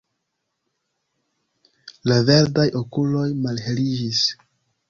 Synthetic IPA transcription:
lave̞ɾdajʔo̞kulo̞jmalhe̞lid͡ʒis

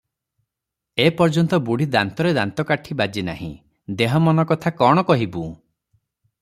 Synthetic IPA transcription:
epɔɾd͡ʒɔnt̪ɔbuɽ̤ʱid̪ant̪ɔɾed̪ant̪ɔkaʈʰibad͡ʒina̰ɦḭ̃ | d̪eɦɔmɔnɔkɔt̪ʰakɔɽ̃ɔkɔɦibũ

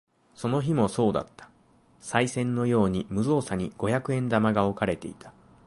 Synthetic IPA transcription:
so̞no̞çimo̞so̞ːd̪a̰t̪ːḁ | saisẽ̞nːo̞jo̞ːɲ̟imɯ̟zo̞ːsaɲ̟iɡ̥o̞çjakɯ̟ẽ̞nd̪amaɡao̞kaɾe̞t̪e̞̰it̪ḁ

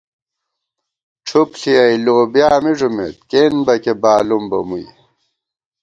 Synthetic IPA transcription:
ʈ͡ʂʰupɬiɐjloːbjaːmiʐumḛt̪̚keːnbɐkebaːlumbɐmṵj

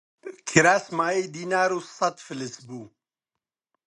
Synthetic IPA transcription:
kʰiɾaːsmaːejd̪iːnaːɾuːsɐt̪fɨlɨsbuː

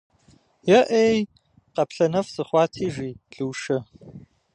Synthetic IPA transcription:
jɛʔej | qɐpɬɐnɐfsɨχʷɑːtʰiːʒiːɮɨːʃɐ

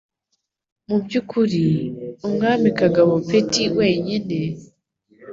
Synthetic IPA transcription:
mubɟukʰuɾiumŋaːmikaɡaβopetiwe̞ːɲene̞

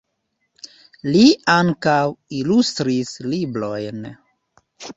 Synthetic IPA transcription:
liaŋkawilust̪ɾisliblojn

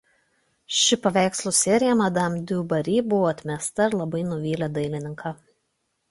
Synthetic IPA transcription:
ʃʲɪpɐʋʲæˑɪkslˠusʲɛɾʲɪjɛmɐd̪ɐmʲd̪ʲuːbɐɾʲiːbʊʋoːɐt̪ʲmʲɛst̪ɐɪɾlˠɐbɐɪnʊʋʲiːlʲɛd̪ɐɪlʲɪnʲɪŋkʰɑ

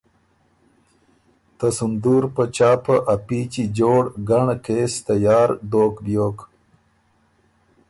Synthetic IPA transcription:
t̪əsund̪uːɾpət͡ʃaːpəʔapiːt͡ʃid͡ʑoːɽɡaɳkeːst̪ajɑːɾɖoːkbjoːk

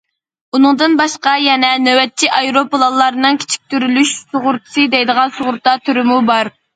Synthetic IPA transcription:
unɨŋd̪ɨnbɑʃqɑjɛnɛnøwɛt̪̚t͡ʃʰiʔɑjɾopəlˠɑlˠːɑɾnɨŋkʲʰe̥t͡ʃʰi̥k̚ʲt̪yɾylyʃsoʁʊɾt̪ʰɨ̥sɨd̪ɛjd̪əʁɑnsoʁʊɾt̪ɑt̪ʰyɾymubɑɾ

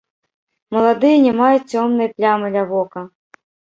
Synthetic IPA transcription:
mɐlˠad̪ɨjɐnʲɛmajut͡sʲːɔmnɨjɐplʲamɨlʲɐvɔkɐ

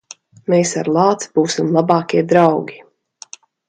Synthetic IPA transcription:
meːsaɾlˠɑːt̪sb̥uːsimlˠabɑːkʲiɛd̪ɾawɡʲi

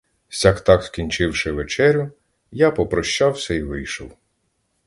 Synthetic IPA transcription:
sʲakt̪ɑkskʲinʲt͡ʃɪwʃɪʋet͡ʃɛɾʲʊ | japɔpɾɔʃt͡ʃɑwsʲɐiʋɪjʃɔw

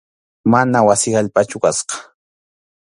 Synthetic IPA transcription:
manawasɪaʎpat͡ʃʊkasqɑ̥

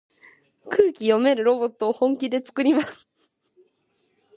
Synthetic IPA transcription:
kʰɯːkʲijo̞me̞ɾɯ̟ɾo̞bo̞t̪ːo̞ːhõ̞ŋkʲid̪e̞t͡sɨ̥kɯ̟ɾʲimasɨ̥

